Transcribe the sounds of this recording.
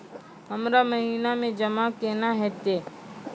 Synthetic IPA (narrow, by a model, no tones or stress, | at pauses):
ɦəmɾaməɦiːnamẽd͡ʒɐmakeːnaɦɛːt̪eː